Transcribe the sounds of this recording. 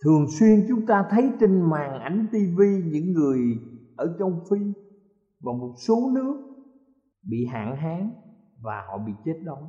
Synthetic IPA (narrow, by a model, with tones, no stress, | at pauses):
t̪ʰɨ˨˩əŋswi˧ənt͡ɕʊ˨˦ŋ͡mt̪aː˧t̪ʰə˨˦jt͡ɕe˧ŋmaː˨˩ŋʔa˨˦jŋ̟t̪i˧vi˧ɲɨ̰˧˥ŋːɨ˨˩əjʔəː˧˩t͡ɕɔ˧wŋ͡mfi˧ | vaː˨˩mo˨˩t̚so˨˦nɨ˦˥ək̚ | ɓḭ˧˨ɦa̰ː˧˨nɦaː˨˦ŋ | vaː˨˩hɔ̰˧˨ɓḭ˧˨t͡ɕe˦˥t̚ɗɔ˨˦w